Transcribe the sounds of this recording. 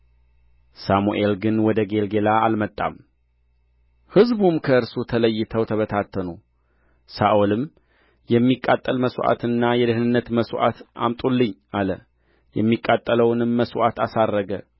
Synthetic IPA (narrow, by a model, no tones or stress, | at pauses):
samuʔe̞lɡɨnwɔd̪əɡe̞lɡe̞laalmət̪ʼːa̰m | hɨzbumkʰəɨɾsut̪ʰələjːɪt̪ʰəwt̪ʰəβət̪ʰat̪ʰːənu | saʔolɨm | jɛmːikʼːat̪ʼːəlməsʔa̰t̪ʰɨnːajɛd̪ɨhnɨnːət̪məsuʔa̰t̪ʔa̰mt̪ʼulːɨɲːʔalə | jɛmːikʼːat̪ʼːələwnɨmːəsuʔat̪ʰasarːəɡə